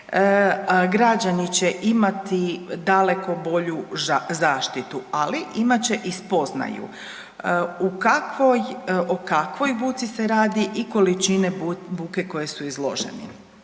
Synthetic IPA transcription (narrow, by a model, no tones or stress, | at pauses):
ɡɾad͡ʑanit͡ɕe̞ʔimat̪id̪ale̞ko̞bo̞ʎuzaːʃt̪it̪ualiʔimat͡ɕe̞ʔispo̞zna̰jṵ | ukakʋojokakʋo̞jbuːt̪siseɾaːd̪iʔiko̞lit͡ʃine̞buːke̞ko̞je̞suizlˠo̞̰ʒḛnḭ